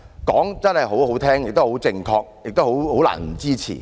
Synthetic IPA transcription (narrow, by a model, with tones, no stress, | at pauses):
kɔː˨˥ŋt͡sɐ˥nhɐ˨jɦo˨˥who˨˥wt̪ʰɛː˥ŋjɪ˨k̚t̪o˥who˨˥wt͡sɪ˧ŋkʰɔː˧k̚jɪ˨k̚t̪o˥who˨˥who˨˥la̰ː˨˩nm̩˨˩t͡siː˥t͡ɕʰḭ˨˩